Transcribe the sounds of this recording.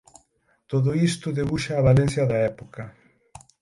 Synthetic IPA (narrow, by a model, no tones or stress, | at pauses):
t̪oðʊist̪ʊðeβuʃaːβalenθjɐðɐɛpokɐ